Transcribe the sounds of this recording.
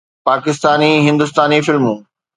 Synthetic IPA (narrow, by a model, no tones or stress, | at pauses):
paːkɪst̪aːniɦɪ̃nd̪ʊst̪aːnifɪlmũː